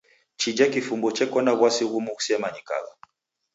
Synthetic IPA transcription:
t͡ʃid͡ʒakifumbɔt͡ʃɛkɔnaβwasiɣumuusɛmaɲika̰ɣa

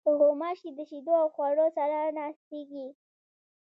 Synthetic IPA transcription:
pəɦomɑʃked̪əʃid̪oawxwaɽosaɾanɑst̪eɡi

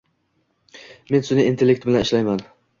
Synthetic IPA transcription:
me̞nsʊnɪint̪ʰelːek̚t̪bɪlanɪʃlajman

